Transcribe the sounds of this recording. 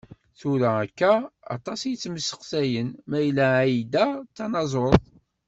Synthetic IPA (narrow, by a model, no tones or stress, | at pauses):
θuɾæækːæɑ̰t̪ˤɑsjət͡sːməsːə̥qsæjənmæjəlːæʕjd̪æt͡sːɑnɑzˤoðˤ